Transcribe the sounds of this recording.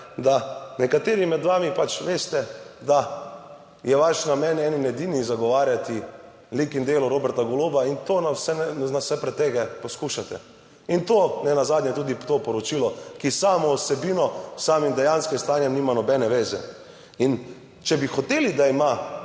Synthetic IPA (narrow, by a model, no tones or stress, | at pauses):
d̪anɛkat̪eːɾimɛd̪ʋaːmipat͡ʃʋeːst̪ɛd̪a | jɛʋaʃnamɛnɛːninɛd̪inizaɡɔʋaːɾjat̪i | likind̪eːluɾobɛɾt̪aɡɔloːbaint̪onawsɛnawsɛpɾɛt̪ːeɡapɔskuʃat̪ɛ̰ | int̪oːnɛnazaːd̪nɲjɛt̪uːd̪it̪opɔɾɔt͡ʃiːlɔkisaːmɔusɛbiːnɔsaːmimd̪ɛjanskɛst̪aːnjɛmniːmanɔbɛnɛʋeːzɛ̰ | in | t͡ʃɛbixɔt̪eːlid̪aima